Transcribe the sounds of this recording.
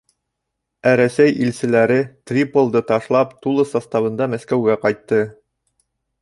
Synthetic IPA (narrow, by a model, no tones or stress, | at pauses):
æɾæsæjilsɘ̆læɾɘt̪rʲipolˠd̪ɤt̪ɑʃlˠɑpt̪ulˠɤsɑst̪ɑβɤ̆nd̪ɑmæskæwɡæqɑjt̪ːɤ